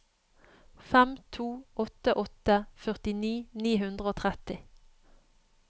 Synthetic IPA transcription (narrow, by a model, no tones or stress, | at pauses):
fɛmt̪ʰuːʔɔt̪əʔɔt̪əfœʁt̪ɪniːniːɦʉnd̪ʁəoːt̪ʰʁɛt̪ɪ